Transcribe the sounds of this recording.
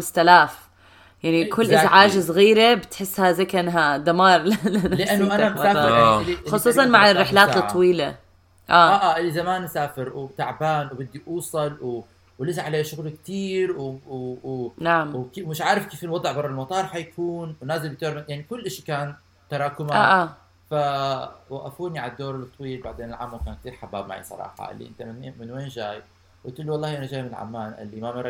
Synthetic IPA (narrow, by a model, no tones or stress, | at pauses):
st̪alaːf | jaʕnikʰʊlːʔɪzʕaːʒsˤɣiːɾebɪt̪ħɪsːhazajkɪnɦad̪amɑːɾˤlalanlɪʔʔanːʔanamsaːɾjaxʊsˤuːsˤɑnmaʕɪrːɪħlaːt̪ˤːɑwiːla | ʔaːaʔaːʔɪlːizamaːnʔasaːfɪɾwt̪aʕbaːnwbɪd̪ːiʔuːsˤɑlw | wlɪsaʕaleːʃʊɣlkt̪iːɾw | naʕmwkemɪʃʕaːɾɪfkeːfɪlwɑd̪ˤʕbɑrˤːɑlmɑt̪ˤɑːɾˤħajkʰuːnwnaːzɪld̪ɪk̚t̪oːɾmajaʕnikʊlːʔɪʃikaːn | t̪ɑɾˤɑːkʊmaʔ | fawaʔafuːniʕalad̪ːoːɾɪlt̪ˤːwiːlbaʕd̪eːnɪlʕa̰mːawkaːnk̚t̪iːɾħabːaːb̚ma̰ʕḭsˤɑ̰ɾˤɑ̰ːħɑ̰ʔɪ̰lːḭʔɪ̰nt̪ammɪnweːnʒaːj | wʔɪt̪ɪlːwɑlˤːɑːhʔɪnaʒaːjmɪnɪlʕa̰mːaːnʔɪ̰lːimamɑɾˤ